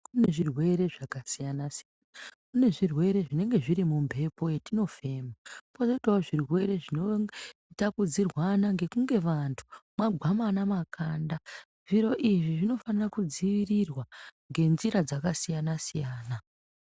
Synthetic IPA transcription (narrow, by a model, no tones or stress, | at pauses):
kune̞ʐirwe̞ɾe̞ʐakasijanasijanakune̞ʐirwe̞ɾe̞ʐine̞ŋɡe̞ʐiɾimumbʱe̞po̞jetino̞fe̞ːmapo̞zoitaoʐirwe̞ɾe̞ʐino̞itakud͡zirwanaŋɡe̞kuŋɡe̞ʋantʰu̥mwaɡʱamanamakʰaːnda | ʐ̥iɾo̞ʔiʐiʐino̞fanirakud͡ziʋirirwaŋɡe̞nziɾad͡zakasijanasijaːna